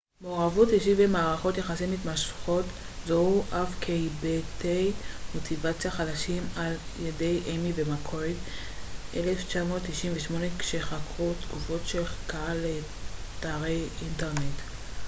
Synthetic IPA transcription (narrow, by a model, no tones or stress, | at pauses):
meoʁavutiʃ̬ivemaːʁaχo̞t̪jeχasimitmaʃχo̞t | zohuʔafkʰejbetejmo̞tʰivat͡sijaχadaʃimaljede̞jʔemivemakʰoit | ʔeleft͡ʃamo̞ːtːiʃimveʃmo̞ne̞kʃeχakʁutɡufo̞tʃelkaale | taːʁejʔinteʁne̞t